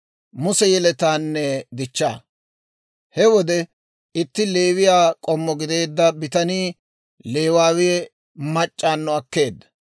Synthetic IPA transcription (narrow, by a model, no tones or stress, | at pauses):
mʊsɛjɛlɛt̪aːnːɛd̪ɪt͡ʃːaː | hɛwɔd̪ɛ | ɪt̪ːɪle̞ːwɪjaːkʼɔmːɔɡɪd̪e̞ːd̪ːɐbɪt̪ɐniː | le̞ːwaːwɪjɛ | mɐt͡ʃʼːaːnːɔɐkːe̞ːd̪ːɐ̥